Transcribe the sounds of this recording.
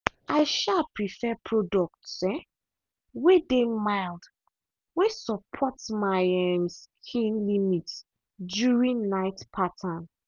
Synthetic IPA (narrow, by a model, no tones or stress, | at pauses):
aɪʃalpɹifɛpʰɹɔdɔk̚tsɛ̃ | wedemaɪld | wesɔpʰɔtmaɛmskʰĩnlimit | djuɹĩnnaɪtpʰatʰan